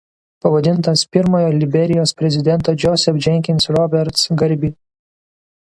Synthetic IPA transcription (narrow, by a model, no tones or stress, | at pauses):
pɐʋɐd̪ʲɪnˑt̪ɐspʲɪɾmoːjoːlʲɪbʲɛɾʲɪjoːspʲɾʲɛzʲɪd̪ʲɛnˑt̪oːd͡ʒʲɔːsʲɛfd͡ʒʲɛŋʲkʲɪnsɾɔbʲɛɾt̪sɡɐɾʲbʲiː